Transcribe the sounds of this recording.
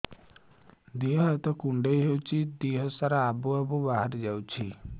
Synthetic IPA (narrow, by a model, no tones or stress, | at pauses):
d̪iɦɔat̪ɔkuɳɖejɦewt͡ʃʰid̪iɦɔsaɾaabuabubaɦaɾd͡ʒawt͡ʃʰi